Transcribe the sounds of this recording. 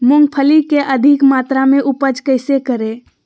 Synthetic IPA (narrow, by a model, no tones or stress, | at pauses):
mʊŋɡpʰəlikeʔəd̪ʱikmaːt̪ɾamẽʔupəd͡ʒkəɪsekəɾe